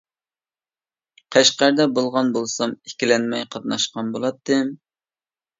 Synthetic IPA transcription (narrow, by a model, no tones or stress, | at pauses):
qʰæʃqæɾd̪ɛbolˠʁɑnbolˠsɑmikʲilɛnmɛjqʰɑt̪̚nɑʃqɑnbolˠɑt̪ːɨm